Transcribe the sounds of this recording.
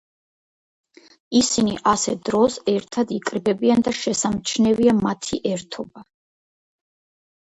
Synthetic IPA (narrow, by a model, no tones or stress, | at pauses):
isiniʔasɛd̪̥ɾɔsɛɾt̪ʰad̪ikʼɾbɛbiand̪aʃɛsamt͡ʃʰnɛviamat̪ʰiʔɛɾt̪ʰɔba